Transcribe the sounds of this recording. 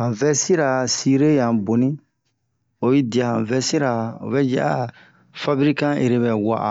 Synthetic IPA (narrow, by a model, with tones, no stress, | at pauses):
hã˨vɛ˦si˦ɾa˨si˦ɾe˦jã˨bo˨nĩ˦ | o˨ji˦di˨a˨hã˨vɛ˦si˦ɾa˨o̰˨βɛ˦d͡ʒa̰˦˨a˦ | fa˦bɾi˦kã˦ʔe˨ɾe˦bɛ˨wa̰˦˨ʔa̰˨